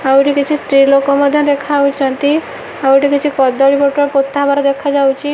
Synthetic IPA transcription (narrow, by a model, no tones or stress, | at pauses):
awʈikit͡ʃʰisʈɾilokɔmɔd̪ʱjɔd̪ekʰawt͡ʃʰɔnt̪i | awʈikit͡ʃʰikɔd̪ɔɽipɔʈɔɾpot̪ːabaɾɔd̪ekʰad͡ʒawt͡ʃʰi